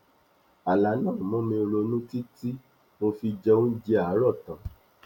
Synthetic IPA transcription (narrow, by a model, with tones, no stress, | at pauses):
a˨la˨˦nãː˦˨mɔ̃˨˦mĩ˧ɾo˧nũ˦ti˦ti˦ | mo˧fi˧d͡ʒɛ˧õ˦n̩˦d͡ʒi˧a˨˦ɾɔ˦˨tã˨